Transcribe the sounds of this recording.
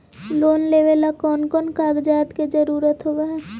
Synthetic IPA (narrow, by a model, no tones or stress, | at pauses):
loːnleːʋelakɔːnkɔːnkaːɡd͡ʒaːt̪ked͡ʒəɾuːɾət̪ɦowaɦɛː